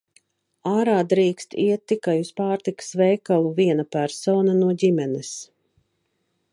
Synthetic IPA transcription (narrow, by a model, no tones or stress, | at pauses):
aːɾaːd̪ɾiːkst̪ḭɛt̪ːikajuspaːɾt̪iksvɛːkalˠuviɛnapæɾsɔːnanuɔɟimɛnɛs